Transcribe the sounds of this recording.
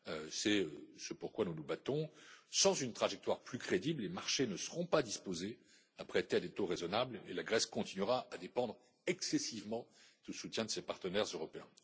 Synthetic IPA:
øsɛøsəpuʁkwanunubat̪ɔ̃sɑ̃zynt̪χaʒɛk̚t̪waʁplykχed̪iblemaʁʃenəsəʁɔ̃pad̪ispoze | apχet̪ead̪et̪oʁezɔnablelaɡʁɛskɔ̃t̪inɥiʁaʔad̪epɑ̃d̪ʁ | ɛksɛsivmɑ̃d̪̥əsut̪jɛ̃d̪əsepaʁt̪ənɛʁzøʁɔpeɛ̃

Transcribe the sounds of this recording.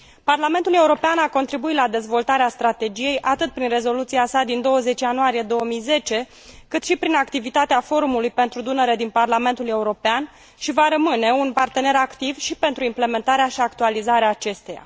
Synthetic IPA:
parlame̞nt̪ule̞uɾo̞peanako̞nt̪ɾibuit̪lad̪e̞zvo̞lt̪aɾeast̪ɾat̪e̞d͡ʒije̞jʔat̪ɨt̪̚pɾinre̞zo̞lut̪siasad̪ind̪o̞wəze̞t͡ʃʲjanuaɾije̞d̪o̞wəmijze̞t͡ʃe̞ | kɨt̪ʃipɾinakt̪ivit̪at̪eafo̞ɾumulujpe̞nt̪ɾud̪unəɾe̞d̪inparlame̞nt̪ule̞uɾo̞pean | ʃivaɾəmɨne̞unpart̪e̞ne̞ɾakt̪ivʃipe̞nt̪ɾuimple̞me̞nt̪aɾeaʃiakt̪ualizaɾeaːt͡ʃe̞st̪e̞ja̰

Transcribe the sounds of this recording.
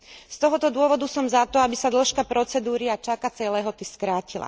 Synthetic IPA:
st̪ɔɦɔt̪ɔd̪ʊɔʋɔd̪usɔmzat̪ɔabisad̪l̩ʃkapɾɔt͡sɛd̪uːɾiat͡ʃakat͡sɛlɛːɦɔt̪iskɾaːcila̰

